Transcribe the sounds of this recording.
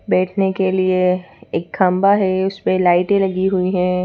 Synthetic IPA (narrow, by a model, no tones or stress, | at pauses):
bɛːʈʰnekelieeːkkɐmbaɦɛʊspelaːɪʈẽlɐɡiɦʊiɦɛ̃ː